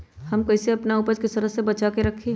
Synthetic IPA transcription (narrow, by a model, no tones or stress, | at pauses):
hɐmkɐɪseɐpnauːpəɾkɪst̪əɾəsebɐt͡ʃakeɾɐkʰːe